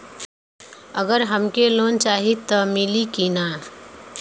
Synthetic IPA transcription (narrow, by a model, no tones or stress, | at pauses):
əɡəɾɦəmkeloːnt͡ʃaːɦit̪ɔmɪlikinaː